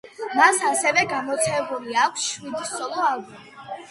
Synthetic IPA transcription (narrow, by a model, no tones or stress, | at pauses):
masasɛvɛɡamɔt̪sʰɛbuliakʷʰsʃwid̪isɔlˠɔalˠbɔm